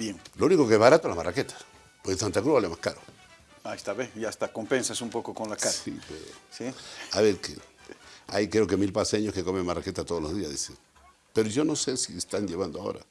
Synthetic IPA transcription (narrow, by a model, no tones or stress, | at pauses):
bjeŋlounikokeezβaɾat̪olamaraket̪ḁ | pwosant̪akɾuβalemahkaɾo | aest̪aβeiast̪akompensasumpokokonlakaɾaḭpesiaβeɾkḛ | ajkɾeoke̞milpaseɲoskekome̞mmaraket̪at̪oðolozðiaðiseŋ | pe̞ɾoʝo̞no̞se̞siest̪anʝe̞βand̪oao̰ɾa̰